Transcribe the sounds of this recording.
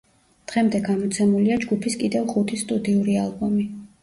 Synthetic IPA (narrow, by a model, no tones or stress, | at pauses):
d̪̥ʁɛmd̪ɛɡamɔt̪sʰɛmuliad͡ʒɡupʰiskʼid̪ɛvχut̪ʰist̪ʼud̪iuɾialˠbɔmi